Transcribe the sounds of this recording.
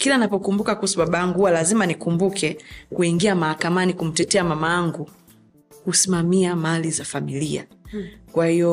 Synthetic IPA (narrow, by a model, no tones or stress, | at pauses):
kilanapɔkumbukakuhusuɓaɓajaŋɡuhuwalazimanikumbukʰɛkuiŋɡiamahakamanikum̩tɛtɛamamajaŋɡu | kusimamiamalizafamilia̰kwahijɔ